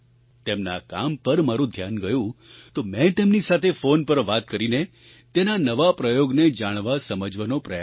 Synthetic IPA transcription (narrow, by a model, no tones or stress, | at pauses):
t̪emnakampəɾmaɾũd̪ʱjanɡəjũt̪omɛ̃t̪emnisat̪ʰefonpəɾʋat̪kəɾine | t̪enanəʋapɾəjoɡned͡ʒaɽ̃ʋasəməd͡ʒʋanopɾəja